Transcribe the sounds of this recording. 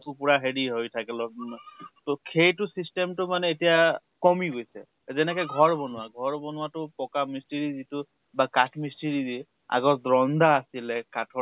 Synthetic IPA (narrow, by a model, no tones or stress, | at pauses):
upuɹaɦediɦojtʰakɛlɔ | tɔkʰejtʊsistemtʊmanɛːtija | kɔmiɡojsɛ̰ | zɛnɛkɔjɡʱɔɹbɔnʊwaɡʱɔɹbɔnʊwatʊpɔkamisteɹizitʊ | bakatʰmisteɹidi | a̰ɡɔtdɹɔnd̪aːsilɛkatʰɔ